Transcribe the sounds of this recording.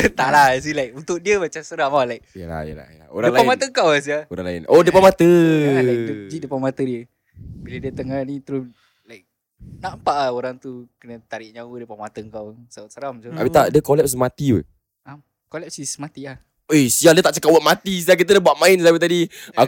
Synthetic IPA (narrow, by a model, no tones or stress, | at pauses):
t̪aʔlas̬ilajk̚unt̪ʊk̚diəmat͡ʃamsəɾahmawlajk̚jəla̰hjə̰la̰jə̰la̰o̰ɾadəŋlapamat̪əŋkawas̬iaoɾa̰ŋlaɪ̰nodəpamat̪əaat̪ud͡ʒiʔdəpamat̪ədiə | biladiət̪əŋahnit̪əɾus | lajk̚ | naʔmpaʔaoɾaŋt̪ukənət̪aɾɪʔ̚ɲawədəpamat̪əŋkawsasəɾamtoa̰pit̪aʔdiəkolɛp̚s̬əmat̪iə̰ | am | kolɛp̚sisəmat̪iah | esiadiət̪aʔt͡ʃəkap̚waʔmat̪is̬iahk̬it̪̬ədabwaʔmaɪnsiapit̪adia